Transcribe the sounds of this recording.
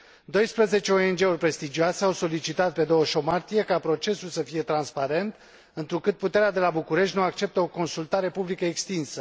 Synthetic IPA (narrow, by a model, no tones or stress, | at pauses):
d̪o̞jspɾəze̞t͡ʃeo̞e̞nd͡ʒe̞urʲpɾe̞st̪id͡ʒioase̞awso̞lit͡ʃit̪at̪̚pe̞d̪o̞wəʃo̞mart̪ije̞kapɾo̞t͡ʃe̞sulsəfije̞t̪ɾanspaɾe̞nt̪ | ɨnt̪ɾukɨt̪̚put̪e̞ɾead̪e̞labukuɾe̞ʃt̪ʲnuak̚t͡ʃe̞p̚t̪əo̞ko̞nsult̪aɾe̞publikəekst̪insə